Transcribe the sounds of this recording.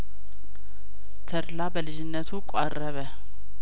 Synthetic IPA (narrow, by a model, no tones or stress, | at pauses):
t̪ʰəɾlabəlɨd͡ʒɪnːət̪ʰukʷʼarːəβə